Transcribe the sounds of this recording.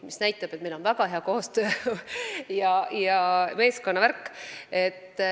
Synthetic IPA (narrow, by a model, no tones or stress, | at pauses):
misnæjt̪ːˑɑb̥et̪melo̞nvæɡ̥ɑɦeɑko̞ːst̪ø̞ː | jɑjɑme̞ːsko̞nːɑværkːˑe̞t̪ːˑ